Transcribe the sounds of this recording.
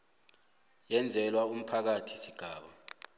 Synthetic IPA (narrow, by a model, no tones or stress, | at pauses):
jɛnd͡zʱɛlwaum̩pʰak̬atʰi̥siɡ̥ʱaːɓa